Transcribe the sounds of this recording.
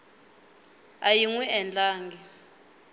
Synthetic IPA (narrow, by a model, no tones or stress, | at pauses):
ajiŋwɛɛnd͡ɮaːŋɡi